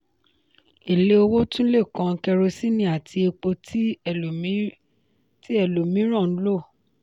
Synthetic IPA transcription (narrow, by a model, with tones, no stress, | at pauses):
e˨le˦o˧wo˦tũ˦le˦˨kã˨˧kɛ˧ɾo˧si˦nĩ˧a˨tʰi˧e˧k͡po˧t | ti˦ɛ˦˨lo˨mĩ˨˦ɾ̃ã˦˨n̩˦lo˦˨